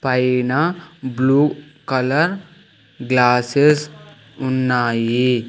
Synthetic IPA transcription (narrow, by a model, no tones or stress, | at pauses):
pajnabluː | kɐlɐɾ | ɡlaːses | unːaːji